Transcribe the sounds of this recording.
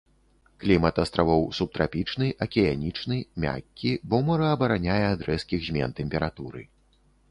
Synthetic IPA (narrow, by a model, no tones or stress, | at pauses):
klʲimɐt̪ɐst̪ɾavɔwsup̚t̪ɾapʲit͡ʂnɨʔɐkʲɛjanʲit͡ʂnɨmʲa̰kʲːibɔmɐɾɐɐbɐɾanʲajɛad̪ɾɛskʲiɣzʲmʲɛ̰nt̪ɛmʲpʲɛɾat̪uɾɨ̰